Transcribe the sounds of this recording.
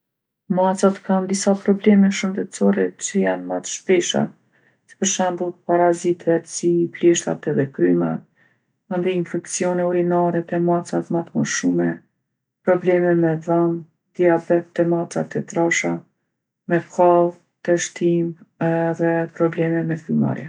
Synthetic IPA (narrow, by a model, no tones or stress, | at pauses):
masat̪kand̪isapɾɔblɛmɛʃənd̪ɛt̪t͡sɔɾɛt͡ɕəjanmat̪ə̥ʃpɛʃa̰ | sə̥pəɾʃɛmbut̪paɾazit̪ʰɛt̪siplɛʃt̪a̰t̪ɛðɛkɾyma̰t̪ | and̪iinfɛkt͡siɔnɛɔɾinaɾɛt̪ɛmat͡sat̪mat̪mɔʃumɛ | pɾɔblɛmɛmɛðan | d̪̥iabɛt̪̚ːɛmat͡sat̪ɛt̪ɾaʃa | mɛkʰalˠ | t̪ɛʃt̪imɛðɛpɾɔblɛmɛmɛkɾyma̰ɾjɛ